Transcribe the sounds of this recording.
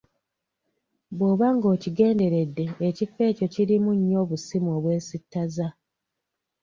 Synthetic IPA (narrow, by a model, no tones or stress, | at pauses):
bo̞βaŋɡo̞ːciɡe̞ːnde̞ɾe̞dːe̞ːcifːe̞ːco̞ciɾimuɲːo̞ːβusimoːβwe̞ːsitːaza